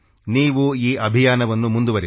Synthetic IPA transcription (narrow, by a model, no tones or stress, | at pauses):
niːʋuiːʔɐbʱijaːnɐʋɐnːumund̪uʋɐɾi